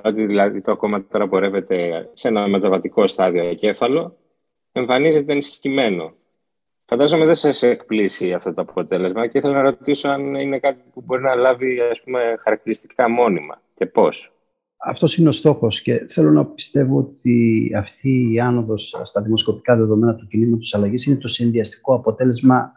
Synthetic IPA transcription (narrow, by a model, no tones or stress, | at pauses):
ot̪iðilɐðit̪oɐko̞mɐt̪o̞ɾɐpo̞ɾe̞ve̞t̪e̞se̞nɐme̞t̪ɐvɐt̪iko̞st̪ɐðio̞ce̞fɐlo̞ | e̞ɱfɐnize̞t̪̬eɐnisçe̥cime̞no̞ | fɐnd̪ɐzo̞meðesɐsekplisiɐft̪ot̪o̞ɐpo̞t̪e̞le̞zmɐceiθelɐnɐɾo̞t̪iso̞ɐnine̞kɐt̪ipubo̞ɾinɐlɐviɐspume̞xɐɾɐk̚t̪iɾist̪i̥kɐmo̞nimɐ̰ce̞po̞s | ɐ̰ft̪o̞sineo̞st̪o̞xo̞sce̞θe̞lo̞nɐpi̥st̪e̞vo̞ot̪iɐft̪iːɐno̞ðo̞sst̪ɐðimo̞sko̞pi̥kɐðe̞ðo̞me̞nɐt̪ucinizmɐt̪i̥sɐlɐʝisine̞t̪o̞sinðiɐst̪i̥ko̞ɐpo̞t̪e̞le̞zmɐ